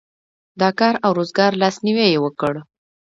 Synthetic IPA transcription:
d̪ɑkɑɾawɾozɡɑɾlɑsniwejewəkəɽ

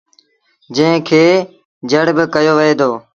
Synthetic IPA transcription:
d͡ʒə̃ɪ̃kʰeː | d͡ʒəɽbɪkəjoːʋəɦeːd̪oː

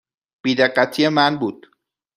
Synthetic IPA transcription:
b̥iːd̪eɢːæt̪ʰijemænbuːd̪̥

